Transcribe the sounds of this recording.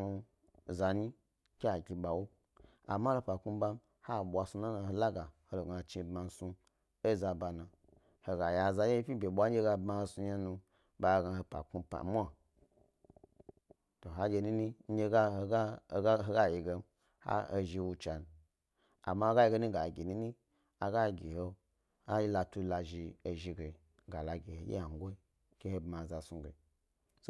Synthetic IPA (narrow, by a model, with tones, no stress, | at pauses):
u˧˨ | za˨ni˦ | kʲe˦a˨ɡʲi˧ɓa˨wo˦ | a̰˨ma˦lo˧pa˨ku˦˧˦ba˧m˦ | ha˦˨ɓʷa˨˧su˧na˦na˧ho˧la˦ɡa˨ho˦lo˨ɡa˨t͡ʃi˧bma˨n˦su˧ | e˦˨za˧ba˨nã˨ | ho˨ɡa˨ja˨za˧je˦pʲi˦bʲe˨ɓʷa˦ɡʲe˦ɡa˧bma˧su˧ɲa˦nu˧ | ba˨˧˨ɡa˧˨ho˧pa̰˨ku˧pa̰˨mʷ˦a˦˨ | to˨ɦa˦d͡ʒʲe˧ni˦ni˦ɲ̩˦ɡʲe˦ɡa˦ɡa˦˨˦ɦo˦ɡa˦ji˨ɡe˧˦m | ha̰˦o˧ʒi˧wu˧t͡ʃa˨n˨ | a̰˨ma˦ho˦ɡa˦ji˧ɡe˧˦ni˦ɡa˨ɡʲi˨ni˦ni˦ | a˨ɡa˦ɡʲi˨ho˦ | a˦ji˦la˧tu˦la˧ʒi˧e˨ʒi˧ɡe˨ | ɡa˨la˨ɡʲi˨ho˨˦jḛ˦a˨ŋ˦ɡʷo˦i˦ | ke˦he˦bma˨za˨su˧ɡe˨ | so˦